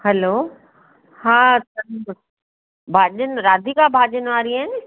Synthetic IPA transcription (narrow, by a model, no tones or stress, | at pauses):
hɐloː | haːsɐ | bʱaːʄənɾaːd̪ʱikabʱaːʄənʋaːɾiaːɦɪnɪ